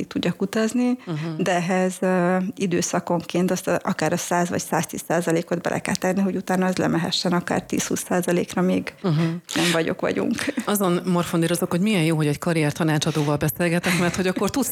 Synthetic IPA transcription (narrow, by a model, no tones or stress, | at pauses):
it̪ːuɟːɒkut̪ɒznid̪ɛɛɦɛzøid̪øːsɒko̞ŋkeːnt̪ɒst̪ʔɒkaːɾɒsaːzʋɒ̰csaːst̪ḭːsːaːzɒleːko̞d̪̚bɛ̰lʔɛ̰kɛ̰lt̪ɛnːiɦo̞ɟut̪aːnɒɛzlɛ̰mɛɦɛ̰ʃːɛnɒka̰ːrt̪ḭːshṵːsːaːzɒlḛːkrɒmeːɡnɛɱvɒɟo̞̰kʋɒ̰ɟṵŋkɒzonmorfond̪iɾozokhoɟmijɛnjoːɦoɟɛckɒɾijɛrt̪ɒnaːt͡ʃɒd̪oːvɒlbɛseːlɡɛt̪ɛkmɛrt̪ho̞ɟɒkːo̞rt̪us